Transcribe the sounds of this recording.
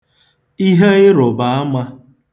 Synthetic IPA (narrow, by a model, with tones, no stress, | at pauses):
i˦ɦe˦ɪ˦ɾʊ˨ba˨a˦ma˦